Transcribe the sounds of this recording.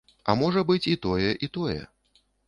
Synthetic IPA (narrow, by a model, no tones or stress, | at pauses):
ɐ̰mɔʐɐbɨt͡sʲit̪ɔjɛʔit̪ɔjɛ̰